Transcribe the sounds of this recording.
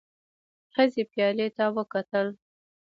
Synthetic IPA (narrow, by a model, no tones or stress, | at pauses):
xəzepjɑlet̪awəkat̪əl